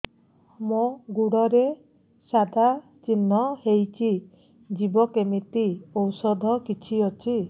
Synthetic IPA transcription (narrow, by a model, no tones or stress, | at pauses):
moɡuɽɔɾe | sad̪ʱa | t͡ʃinːɔhejt͡ʃʰi | d͡ʒibɔkemit̪iowsɔd̪ʱɔkit͡ʃʰiɔt͡ʃʰi